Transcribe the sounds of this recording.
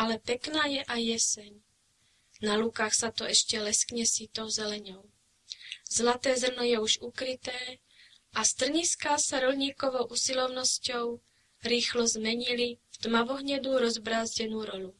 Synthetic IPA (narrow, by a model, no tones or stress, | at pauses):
ʔalɛpɛknaːjɛʔajːɛsɛɲ | nalukaːxsat̪ɔɛʃcɛlɛskɲɛsiːt̪ɔwzɛlɛɲɔʊ | zlat̪ɛːzr̩nɔjɛuʒukɾit̪ɛː | ʔast̪r̩ɲiskaːsaɾɔlɲiːkɔʋɔʊʔusilɔʊnɔscɔʊ | ɾiːxlɔzmɛɲilift̪maʋɔɦɲɛd̪uɾɔzbɾaːzɟɛnuːɾɔlu